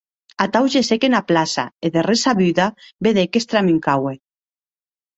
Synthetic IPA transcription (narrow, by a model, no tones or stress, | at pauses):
at̪awʒesekenaplasa̰eðeresaβyðabeðekest̪ɾamiŋkawe